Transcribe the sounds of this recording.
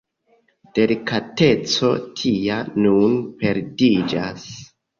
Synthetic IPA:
d̥e̞likate̞t͡so̞tʰianunpe̞ɾdid͡ʒas

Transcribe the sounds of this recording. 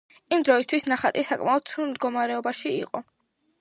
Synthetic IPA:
imd̪ɾɔist̪ʰwisnaχat̪ʼisakʼmaɔd̪̥sʰuɾmd̪ɡɔmaɾɛɔbaʃiḭqʼɔ

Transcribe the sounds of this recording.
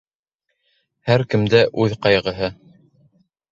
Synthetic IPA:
hæɾkɘ̆md̪æʔʉðqɑjʁɤ̆ɦɤ

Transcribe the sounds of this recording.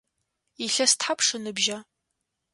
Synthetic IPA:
iɬɐstħapʰʂɨnɨbʒa

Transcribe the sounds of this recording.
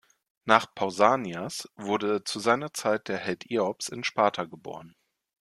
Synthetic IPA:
naːχpʰaʊzaːnjasv̥ʊɐdət͡suzaɪnɐt͡saɪt̚d̥eːɐhɛltʰʔeːɔpsɪnʃpaːtʰaɡəbo̰ːʁən

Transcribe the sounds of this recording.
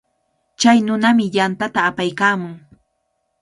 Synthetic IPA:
t͡ʃajnʊnamɪjant̪at̪aːpajkaːmʊŋ

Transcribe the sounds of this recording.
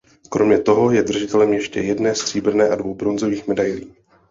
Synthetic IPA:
kɾo̞mɲɛt̪o̞ɦo̞jɛd̪r̩ʒɪt̪ɛlɛmjɛʃcɛ̰jɛdnɛːst̪r̥iːbr̩nɛːʔadvo̞wbɾo̞nzo̞viːxmɛdajliː

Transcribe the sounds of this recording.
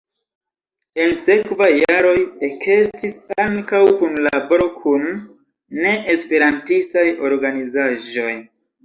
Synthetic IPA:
e̞nse̞kvajːaɾo̞jekʰe̞stisaŋkawkunlabo̞ɾo̞kʰunː | e̞ʔespe̞ɾantistajo̞ɾɡanizaʒo̞j

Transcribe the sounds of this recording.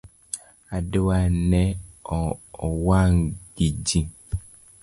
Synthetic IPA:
adewanɛɔɔwaŋɡ̥id͡ʒĩ

